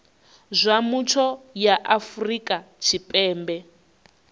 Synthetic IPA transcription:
zʷamut͡ʃʰɔjaʔafrikʼat͡ʃʰipʼɛːmbɛ

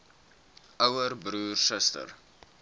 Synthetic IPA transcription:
əwərbruːrsəstə̰r

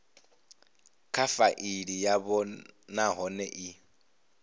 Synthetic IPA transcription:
kʰafaʔiɺijabɔnaɦɔnɛʔɪ

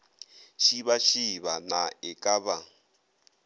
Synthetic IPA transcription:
ʃiβaʃiβanaɛkʼaβa

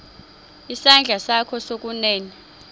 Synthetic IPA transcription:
isand͡ɮʱasakʰɔsok̬ʼunɛːni

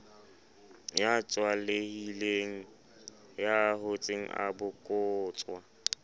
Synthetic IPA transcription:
jat͡ʃʼwalehileŋ̩ | jahot͡sʼeŋ̩̰a̰bʊkʼʊːt͡sʼwa

